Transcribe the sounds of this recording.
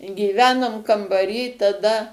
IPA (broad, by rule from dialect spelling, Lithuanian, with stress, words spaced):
ɡʲiːˈʋʲæːnoːm kɐmbɐˈrʲiː tɐˈdɐ